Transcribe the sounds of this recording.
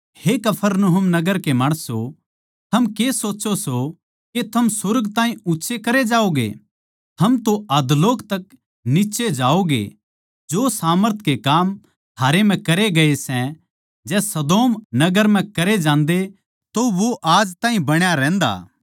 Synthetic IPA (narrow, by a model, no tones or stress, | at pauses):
hekɐpʰəɾnoɦʊmnɐɡəɾkemaːɽ̃əso | t̪ʰɐmkesoːtːt͡ʃoso | ket̪ʰɐmsʊɾɡt̪ãːɦĩʊtːʃʰekɐɾed͡ʒaːoɡḛ | t̪ʰɐmt̪oɐd̪loːkt̪ɐk | nɪʃed͡ʒaːoɡḛ | d͡ʒosaːməɾt̪ʰkekaːm | t̪ʰaːɾem̤ɛ̃kɐɾeɡɐesɛ̃ | d͡ʒɛːsɐd̪oːmnɐɡəɾm̤ɛ̃kɐɾed͡ʒãːnd̪e | t̪oʋoʔaːd͡ʒt̪ãːɦĩbɐɽ̃jaɾɛ̃ːnd̪a̰ː